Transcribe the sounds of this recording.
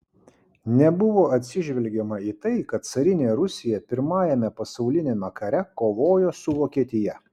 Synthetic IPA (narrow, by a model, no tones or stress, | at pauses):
nʲɛbʊʋoːɐt̪ʲsʲɪʒʲʋʲɛlʲɡʲɛmɐiːt̪ɐɪkɐt̪̚t̪sɐɾʲɪnʲeːɛɾʊsʲɪjɛpʲɪɾmɑːjɛmʲɛpɐsɒʊlʲɪnʲeːmʲɛkɐɾʲɛkoːʋoːjoːsʊʋoːkʲiɛt̪ʲɪjɛ